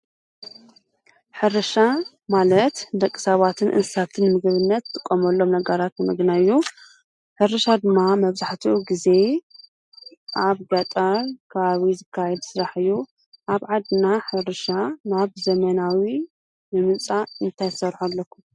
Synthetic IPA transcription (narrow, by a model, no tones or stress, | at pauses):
ħɨɾɐʃa | malɐt̪d̪ɐkʼːɨ̥saβat̪ʰɨnʔɨ̰nsɨsat̪ʰɨnmɨɡɨβɨnːɐt̪ʰːɨkʼːomɐlːo̞mnɐɡɐɾat̪nɨmɨɡnaɨjːu | ħɨɾɨʃad̪ɨmːamɐβzaħt̪ʰiuɡize̞ | ʔaβɡat̪ʼaɾkʰɐβaβizɨkʰːajɛd̪sɨɾaħɨjːu | ʔaβʕad̪ɨnaħɨɾɨʃanaβzɐmɐnawi | mɨmɨnt͡sʼaɨnt̪ʰajt̪ɨsɐɾħulːɐkːu